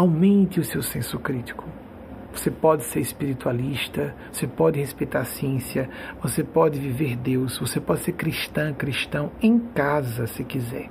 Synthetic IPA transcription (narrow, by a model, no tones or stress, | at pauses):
awmẽnt̪ɪʊsewsẽsʊkɾit̪i̥kʊ | vosepɔd̪ɪseɾispiɾit̪ualiʃt̪ɐvosepɔdɪhespejt̪aɾsiẽsiɐvosepɔd̪ɪviveɾd̪ewsvosepɔdɪseɾkɾiʃt̪ɐ̃kɾiʃt̪ɐ̃w̃ẽj̃kazɐsɪkizɛ̰ɾ